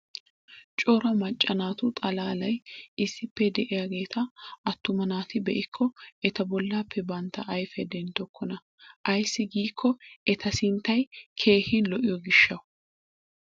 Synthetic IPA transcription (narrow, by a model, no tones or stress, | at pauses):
t͡ʃʼɔɾɐmɐt͡ʃʼːɐnaːt̪ʊt̪ʼɐlaːlɐjɪsːɪpːɛd̪ɛʔɪjaɡe̞ːt̪ʰɐʔɐt̪ːʊmɐnaːt̪ɪbɛʔɪkʰːɔɛt̪ɐbɔlːaːpːɛbɐnt̪ːɐʔɐjfɛd̪ɛnt̪ɔkːɔnɐ | ʔɐjsːɪɡiːkʰːɔɛt̪ʰɐsɪnt̪ːɐjkʰe̞ːhɪnlɔʔɪjɔɡɪʃːɐw